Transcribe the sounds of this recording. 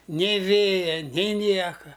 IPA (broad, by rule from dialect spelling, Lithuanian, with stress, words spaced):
ˈnʲeː ˈʋʲeːjɛ nʲɪ ˈnʲiɛkɐ